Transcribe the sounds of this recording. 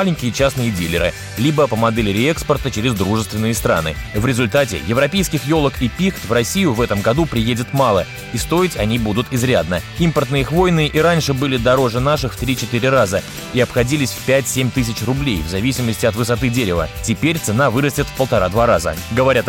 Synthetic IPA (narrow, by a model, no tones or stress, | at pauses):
lʲɪnʲkʲɪjət͡ɕasnɨjɪdʲilʲɪ̰ɾɨ̰ | lʲibəpəmɐd̪ɛlʲɪɾʲɪɛkspərt̪ət͡ɕɪɾʲɪzd̪ɾuʐɨst̪vʲɪnːɨjəst̪ɾa̰nɨ̰vɾʲɪzʊlʲt̪atʲɪ̰jɪvɾɐpʲejskʲɪxjo̞lˠəkipʲixt̪vrɐsʲijʊvɛt̪əmɡɐd̪upɾʲɪjedʲɪt̪malˠə | ist̪o̞ɪtʲɐnʲibud̪ʊt̪ɪzɾʲad̪nəimpərt̪nɨjəixvo̞jnɨʔiɾanʲʂɨbɨlʲɪd̪ɐɾo̞ʐɨnaʂɨxft̪ɾʲit͡ɕɪt̪ɨɾʲɪrazə | iɐpxɐdʲilʲɪsʲfʲpʲætʲsʲemʲt̪ɨs̬ʲɪt͡ɕrʊblʲḛjvzɐvʲisʲɪməsʲtʲɪɐt̪vɨsɐt̪ɨdʲeɾʲɪvə̰tʲɪpʲeɾʲt̪sɨnavɨɾəsʲtʲɪt̪fpəlˠt̪ɐɾad̪vaɾazə̰ɡəvɐɾʲat̪